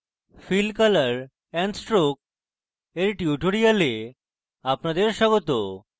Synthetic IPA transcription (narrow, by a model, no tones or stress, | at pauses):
filkalaɾ | ɛnsʈɾok̚ | eɾʈiuʈʰoɽijale | apnad̪eɾʃɔɡot̪o